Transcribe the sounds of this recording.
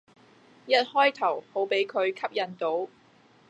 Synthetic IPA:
jɐ˥t̚hɔː˥jt̪ʰɐ˨˩who˨˥wpe˨˥jkʰɵ˨˧ɥkʰɐ˥p̚jɐ˨˩nt̪o˨˥w

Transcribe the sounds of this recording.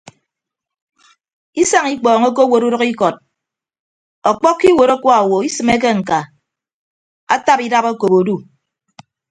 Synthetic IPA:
i˦sa˦ŋi˦k͡pɔː˨ŋo˦k̬o˦wo˨ɾu˦ɾɔ˦ki˦kɔ˨t̚ | ɔ˨k͡pɔ˦kːi˦wo˨ɾɔ˦kʷɔ˦a˨wo˨i˦sɨ˨me˦k̬e˦ŋ̩˨ka˨ | a˦ta˦pi˦da˦po˦ko˨bo˨du˦

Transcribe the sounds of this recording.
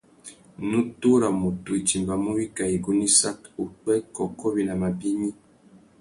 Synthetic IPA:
nu˦tu˦ɾa˨mu˨tu˨i˨ti˨mba˨mu˦wi˦ka˨i˨ɡu˦ni˦sa˦ku˨k͡pɛ˦kɔ˨kɔ˦bi˦na˨ma˨bi˦mi˦

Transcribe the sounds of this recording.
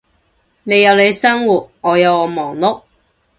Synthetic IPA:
ne˨˧jɐ˨˧wle˨˧jsɐ˥ŋwuː˨t̚ŋɔː˨˧jɐ˨˧wɔː˨˧mɔː˨˩ŋlʊ˥k̚

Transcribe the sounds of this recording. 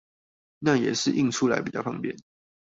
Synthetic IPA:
na˥˨jɛ˨˩ʂɻ̩˥˧ʔḭ˥˨ŋʈ͡ʂʰu˦˥la̰˧ɪpi˨˩t͡ɕ̪ɑ˥˩fʰɑ˧˥ŋpjɛ˥˨n

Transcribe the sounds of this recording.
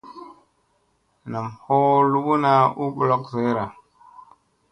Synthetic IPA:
na˨mho˦lu˦ɓu˦na˦u˦ɓlo˦kze˨˦ɾa˨

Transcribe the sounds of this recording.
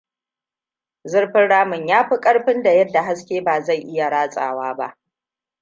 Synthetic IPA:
zɪ˦ɽɸɪ˦nɽaː˦mɪ˨ɲjaː˦ɸi˦kʼɐ˦ɽɸɪ˦nda˨jɐ˦dːa˨ɦa˦skʲeː˦baː˨za˦˨jʔɪ˦ja˨ɽaː˦sʼa̰ː˨waː˦ba̰˦ʔ

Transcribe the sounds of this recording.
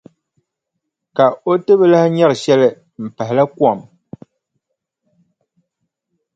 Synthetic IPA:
ka˨o˦tɨ˦βɨ˦la˦hɪ˦ɲɛ˦ɾɨ˨ʃɛ˦lɨ˦ | m̩˨pɛ˨ɦɪ˨la˦kwa˦˨m

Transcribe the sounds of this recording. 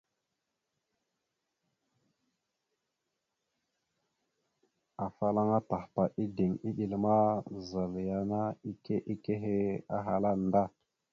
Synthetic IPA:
a˨fa˦la˦ŋa˦ta˨hpa˨ʔi˦di˨ŋi˦ɗi˨lma˦za˨lja˦na˦i˦ke˦ʔi˦ke˦ɦe˦a˦ɦa˨la˦n˨da˦˨

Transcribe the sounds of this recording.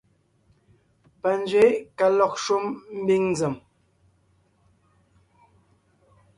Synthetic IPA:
pə˨n˦d͡zɥe˨˦ka˨lɔ˨k̚ʃu˦mm̩˦bi˦ŋn˦d͡zə˨m

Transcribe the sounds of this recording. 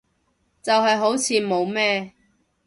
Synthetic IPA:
t͡sɐ˨wɦɐ˨jɦo˨˥wt͡sʰiː˨˧mo˨˧wmɛː˥

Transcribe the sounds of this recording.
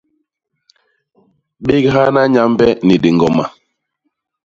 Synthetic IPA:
ɓi˦kɦa˦na˦ɲa˦mbɛ˦ni˨de˨ŋɡɔ˨ma˨

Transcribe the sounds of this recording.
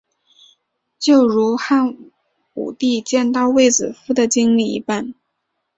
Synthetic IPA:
t͡ɕjo˥˩ʊɻu˧˥xa˥˩n | ṵ˨˩t̪i˥˧t͡ɕjɛ˥˧nt̪ɑ˥˧ʊwe˥˩ɪt͡sɹ̩˨˩fu˥d̪ə˨t͡ɕi˥ŋli˥˩ḭ˧˥pa˥˩n

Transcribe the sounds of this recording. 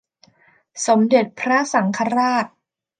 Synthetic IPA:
so˩˦mde˨˩t̪̚pʰɾa˦˥sa˩˦ŋkʰa˧ɾaː˥˩t̪̚

